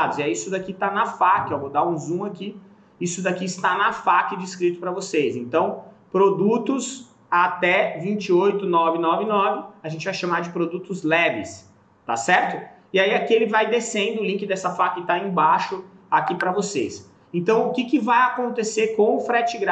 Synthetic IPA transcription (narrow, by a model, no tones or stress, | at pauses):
d̪ʊziɛisʊd̪akit̪anɐfakɪeowvod̪aũzũmaki | isʊd̪akiɪst̪anɐfakɪd͡ʒiskɾit̪ʊpɾɐvosezẽnt̪ɐ̃w̃ | pɾod̪ut̪ʊs | at̪ɛvĩt͡ʃɪojt̪ʊnɔvɪnɔvɪnɔvɪaʒẽnt͡ʃɪvajʃɐmaɾd͡ʒɪpɾod̪ut̪ʊzlɛvɪ̰s | t̪a̰sɛɾt̪ʊ | ɪaiakielɪvajd̪esẽnd̪ʊʊlĩkɪd̪ɛsɐfakɪt̪aẽbaʃʊ | akipɾɐvoses | ẽnt̪ɐ̃w̃ʊkɪkɪvajakõnt̪eseɾkõw̃ʊfɾɛt͡ʃɪɡɾa